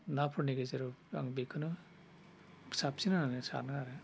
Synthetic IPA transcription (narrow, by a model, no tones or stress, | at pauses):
napʰɔɾniɡezeɾɔa̰ŋbekʰɯnɯ | sap̚sinananɯsa̰naaɾɯ